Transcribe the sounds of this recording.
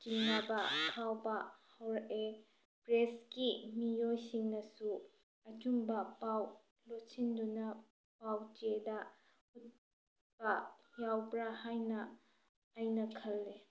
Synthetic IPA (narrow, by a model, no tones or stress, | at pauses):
t͡ʃiŋnɐbɐtʰawbɐhawɾɐʔe | pɾeskimijojsiŋnɐsu | ɐt͡ʃumbɐpaw | lotsindunɐ | pawt͡ʃedɐ | hut̚ | pɐjawbɾahajnɐː | jnɐkʰɐlːe